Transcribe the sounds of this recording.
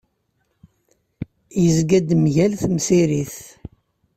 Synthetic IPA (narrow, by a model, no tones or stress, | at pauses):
jəzɡæd̪mʝælθmsiɾiθ